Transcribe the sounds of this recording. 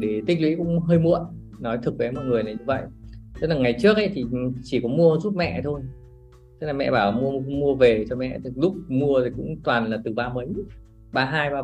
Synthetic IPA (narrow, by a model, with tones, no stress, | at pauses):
ɗe˧˩t̪ï˦˥k̟̚lwḭ˧˥kʊ̰˧˥ŋ͡mɦəː˧jmṵ˧˨ən | nɔ˨˦jt̪ʰɨ˨˩k̚ɓe˨˦mɔ̰˧˨t̚ŋɨ˨˩əjnaː˨˩jɲɨ˧və̰˧˨jʔ̪e˨˦naː˨˩ŋa˨˩jt͡ɕɨ˦˥ək̚ʔə˧˦jt̪ʰi˨˩t͡ɕi˧˩kɔ˨˦mu˧əzu˦˥t̚mɛ̰˧˨t̪ʰo˧j | t̪e˦naː˨˩mɛ̰˧˨ɓaː˧˩wmu˧əmu˧əve˨˩t͡ɕɔ˧mɛ̰˧˨t̪ʰi˨˦lʊ˦˥k͡p̚mu˧ət̪ʰi˨˩kʊ̰˧˥ŋ͡mt̪waː˨˩nlaː˨˩t̪ɨ˨˩ɓaː˧mə˨˦j | ɓaː˧ɦaː˧jɓaː˧